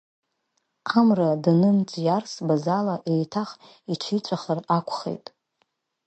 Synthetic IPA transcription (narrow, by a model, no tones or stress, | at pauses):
amradnɨnt͡sʼjarsbazalaʔejtʰaχ | it͡ʃʰit͡ʃʷʼaχərakʷʰʼχḛjtʼ